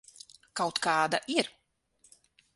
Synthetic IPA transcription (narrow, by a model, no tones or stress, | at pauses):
kawt̪kɑːd̪aʔiɾ